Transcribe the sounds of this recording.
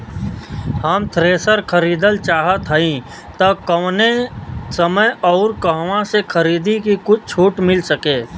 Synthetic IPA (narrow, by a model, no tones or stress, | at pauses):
həmt̪ʰɾeːsəɾkʰəɾiːd̪əlt͡ʃaːɦət̪ɦəĩ | t̪ɐkənesəməjɔːɾkəɦwãsekʰəɾiːd̪ikikʊt͡ʃʰt͡ʃʰuːʈmɪlsəkẽː